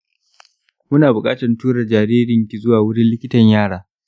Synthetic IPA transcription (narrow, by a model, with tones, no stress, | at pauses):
mʊ˦naː˨bʊ˨kʼaː˦tɐ˨rtuː˦ɽɐ˨d͡ʒaː˨ɾiː˦ɾɪ˨ŋkʲi˨zʊ˦waː˨wʊ˦ɽɪ˦nlɪ˦kʲɪ˦tɐ˨ɲjaː˦˨ɽaː˨˦